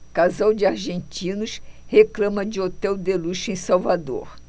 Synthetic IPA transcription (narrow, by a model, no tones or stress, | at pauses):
kazawd͡ʒɪaɾʒẽnt͡ʃĩnʊʃheklɐ̃mɐd͡ʒɪot̪ɛwd̪eluʃẽj̃sawvad̪o̰ɾ